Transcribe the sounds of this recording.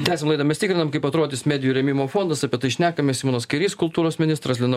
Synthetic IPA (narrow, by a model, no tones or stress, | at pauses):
t̪ʲæːsʲemlˠɐɪd̪ɐːmʲɛst̪ɪkɾʲɪnɐmkɐɪpɐt̪ɾoːd̪ʲɪsmʲæːd̪ʲɪjuɾʲɛmʲɪmoːfoːnd̪ɐsɑpʲiɛt̪ɐɪʃʲnʲæːkɐmʲɛsimoːnoːskʲɐɪɾʲiːskʊlˠt̪uːɾoːsmʲɪnʲɪst̪ɾɐslʲɪnɐ